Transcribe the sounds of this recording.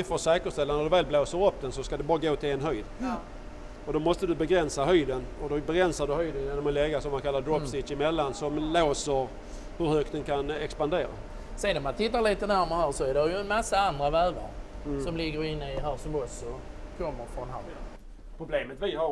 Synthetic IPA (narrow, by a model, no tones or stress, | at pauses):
foːʂɛːkəʂt̪ɛlːanæd̪ɵvɛːlbloːsəɾɔpːd̪ɛnsɔskad̪ɛbɑːɾaɡoːt̪ʰɪleːnɦœjd̪ | ɔd̪ɔmɔst̪əd̪ɵbɛɡɾɛnsaɦœjd̪ənɔd̪ɔbɛɡɾɛnsad̪ɵɦœjd̪ənjɛd̪ɵmɛlɛɡasɔmːankʰalːad̪ɾɔsɪʃɪmɛlːansɔmloːsəɾ | hɵɾhœkt̪d̪ɛnkʰanɛkspand̪eːɾa̰ | seːnɔmant̪ʰɪt̪ːaɭiːt̪ənæɾməɾhæːɾsɔæɖɛjɵnmasːaand̪ɾavæːva̰ɾ | sɔmlɪɡːəɾɪnːəɪɦæːɾsɔmɔsɔkʰɔmːəɾfɾɔnɦa̰ɾə | pʰɾʊbleːmət̪vɪha